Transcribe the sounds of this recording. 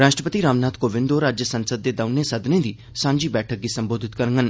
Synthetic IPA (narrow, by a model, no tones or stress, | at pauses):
ɾaːʃʈɾəpət̪iɾaːmnaːt̪koːʋɪ̃nd̪oːɾaːd͡ʒjəsɐnsəd̪̚ːeːd̪ɐʊnesɐd̪nẽːd̪iː | sãːɲd͡ʒiːbɛːʈʰək̚ɡ̪isɐ̃mboːd̪ʱɪt̪kəɾŋɡən